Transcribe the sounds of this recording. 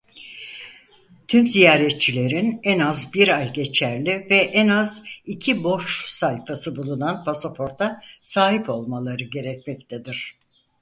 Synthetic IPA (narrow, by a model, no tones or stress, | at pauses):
t̪ʰymzijaːɾɛt̪̚t͡ʃʰilʲe̞ɾinɛnazbiɾajɟe̞t͡ʃʰæɾlʲivɛʔɛnazicʰibo̞ʃsajfasɯbulˠunanpʰasapʰo̞ɾt̪ʰasaːɦipo̞lˠmalˠaɾɯɟe̞ɾɛc̚mɛc̚t̪ʰɛd̪iɾ̥